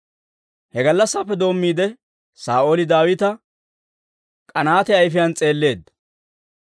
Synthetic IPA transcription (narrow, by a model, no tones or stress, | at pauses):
hɛɡɐlːɐsːaːpːɛd̪o̞ːmːiːd̪ɛ | saːʔo̞ːlɪd̪aːwɪt̪ɐ | kʼɐnaːt̪ɛɐjfɪjɐnt͡sʼe̞ːlːe̞ːd̪ːɐ̥